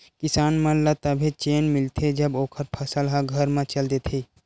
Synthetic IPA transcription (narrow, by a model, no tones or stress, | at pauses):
kɪsaːnmɐ̃lət̪əbʱẽt͡ʃeːnmɪlt̪ʰed͡ʒəboːkʰəɾpʰɐsəlɦãɡʱəɾmãt͡ʃɐld̪et̪ʰi